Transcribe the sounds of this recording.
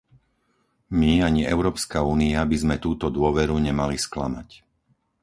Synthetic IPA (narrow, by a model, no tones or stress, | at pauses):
miaɲiɛ̰ʊɾɔːpskauːniabizmɛt̪uːt̪ɔd̪ʊɔʋɛɾuɲɛmaliskla̰ma̰c